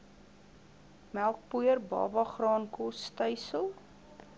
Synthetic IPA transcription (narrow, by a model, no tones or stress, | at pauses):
mælˠk̚puərbɑ̰ːbɐχrɑːnkɔstəjsəlˠ